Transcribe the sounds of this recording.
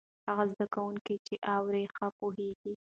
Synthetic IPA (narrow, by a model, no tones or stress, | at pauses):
haɣazd̪akawuŋkit͡ʃeʔɑwɾexapoɦeɡi